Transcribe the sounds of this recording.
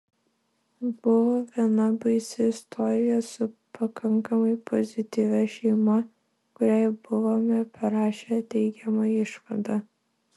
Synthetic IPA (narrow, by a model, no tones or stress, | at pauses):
b̥ʊʋoːʋʲiɛnɐbɐɪsʲɪɪst̪ʰɔɾʲɪjɛsʊpɐkɐŋkɐmɐɪpʰɔzʲɪt̪ʲiʋʲɛʃʲɛɪmɐ | kʊɾʲæɪbʊʋoːmʲɛpɐɾɑːʃʲɛt̪ʲɛɪɡʲɛmɑɪʃʋɐd̪ɑ